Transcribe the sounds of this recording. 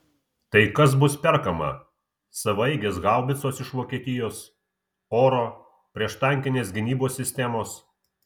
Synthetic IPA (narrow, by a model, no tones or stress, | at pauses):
t̪ɐɪkɐs̬bʊspʲɛɾkɐmɐ̰ | sɐʋɐɪɡʲeːsɡɑˑʊbʲɪt̪soːsɪʃʋoːkʲiɛt̪ʲɪjoːs | oːɾoː | pʲɾʲiɛʃt̪ɐŋʲkʲɪnʲeːs̬ɡʲɪnʲiːboːsʲːɪsʲt̪ʲɛmoːs